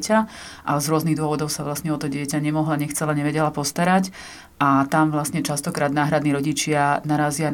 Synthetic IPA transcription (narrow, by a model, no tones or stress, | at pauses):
caʔazɾʊɔzniɣd̪ʊɔʋɔd̪ɔʊsaʋlasɲɛɔt̪ɔɟɪɛcaɲɛmɔɦlaɲɛxt͡sɛlaɲɛʋɛɟɛlapɔst̪aɾac | ʔat̪amʋlasɲɛt͡ʃast̪ɔkɾaːd̪naːɦɾad̪niɾɔɟit͡ʃɪanaɾaːzɪan